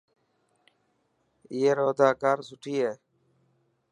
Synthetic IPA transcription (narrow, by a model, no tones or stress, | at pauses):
ɪːeːɾoːd̪aːkaːɾsʊʈʰiːeː